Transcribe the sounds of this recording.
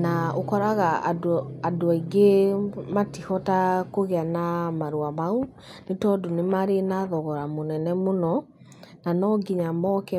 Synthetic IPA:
naokɔɾaɣadadoaiɡematihɔtakoɣeanamaɾwamao | netɔdonemaɾenaðɔɣɔɾamonɛnɛmonɔ | nanɔɡiɲamɔkɛ

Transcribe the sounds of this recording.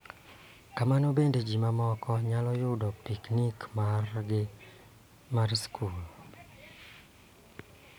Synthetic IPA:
kamanobended͡ʒimamɔkɔɲalɔjʊdɔpiknikmarɡɪ | marskʰul

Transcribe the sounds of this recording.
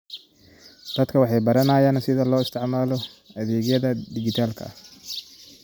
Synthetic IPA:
d̪̥ɐd̪kʰɐwɑħɑjbɐɾɐnajaːnsɪðɐlɔːɪst̪ʰɪʕmaːlɔɐðɛːɡjɐðɐd̪ɪɡɪt̪ʰaːlkʰɐ̰

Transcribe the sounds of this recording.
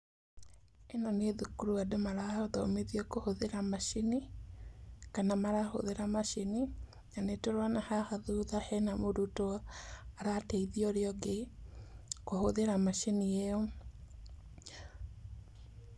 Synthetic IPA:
enɔneðukuɾuadomaɾaoðɔ̰meðiɔkohoðeɾamaʃini | kanamaɾaho̰ðeɾamaʃeni | nanetoɾwanahaxaðuðahɛnamoɾutoaɾateiðiɔɾeɔɡe | kohoðeɾamaʃenieɔ

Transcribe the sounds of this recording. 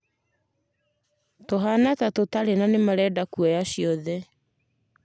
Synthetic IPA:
toɦanatatotaɾenanemaɾɛdakuɔjaɕiɔðɛ

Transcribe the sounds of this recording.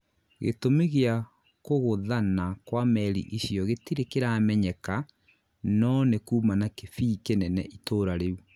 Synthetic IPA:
ɣḛtomeɣea | koɣoðanakwamɛɾḭʔisjɔɣetiɾekeɾaːmɛɲɛka | nɔnekuːmanakefiːkenɛnɛ̰ʔitoːɾaɾeu

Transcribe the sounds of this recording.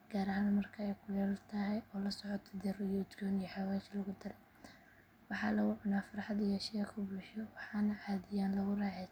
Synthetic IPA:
ɡ̥aːɾɐɦaːnmɐrkʰɐɛjkʰʊjɛlt̪ʰɐɦɛjɔːlɐsɔʕɔt̪ʰɔd̪ɛrijɔʊd̪ɡʰɔːnijɔħɑwɛːt͡ʃlɐɣʊd̪ɐlɛ | wɑħɑːlɐɣʊʕʊnaːfɐrħɑd̪ɪjɐʃɛkʰʊbuːʃɔwɑħɑːnɐʕɑːðɪjaːnlɐɣʊraːʕɛ

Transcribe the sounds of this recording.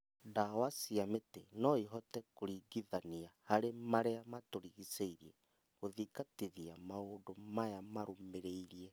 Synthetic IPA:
dawasiametenɔiɦɔtɛkoɾiɡiðaniahaɾemaɾeamatoɾiɣiseiɾiɛ | ɣoðikatiðiamaoːdomajamaɾomeɾeiɾiɛ

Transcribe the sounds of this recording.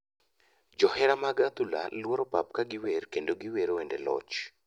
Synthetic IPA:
d͡ʒɔhɛɾamaɡat̪ula̰lwoɾɔpap̚kaɡɪwerkendoɡɪweɾoendelɔ̰t͡ʃ

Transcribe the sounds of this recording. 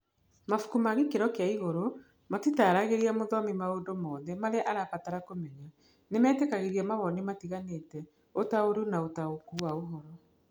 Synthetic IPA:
mafu̥kumaɣikeɾɔkeaiɣoɾo | matitaɾaɣeɾiamoðɔmimaoːndomɔːðɛmaɾɛʔaɾakataɾakomɛɲa | nemɛːtekaɣeɾiamaβɔnimatiɣaneːtɛ | otaoɾunaotaokuwaoɦɔɾɔ

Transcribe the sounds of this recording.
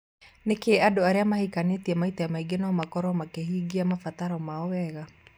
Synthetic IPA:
nekeadoaɾeamahikanetiɛmaitɔjamaiɡenaɔmakɔɾɔmakeɦiɡiamafataɾɔmaɔwɛɣa

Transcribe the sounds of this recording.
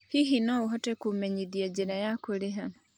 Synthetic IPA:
hiɦinouɦotekumeɲiðjad͡ʒinajakuliɦa

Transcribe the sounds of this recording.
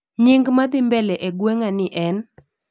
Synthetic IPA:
ɲɪŋɡmad̪ɪmbɛlɛʔeɡweŋanɪʔɛn

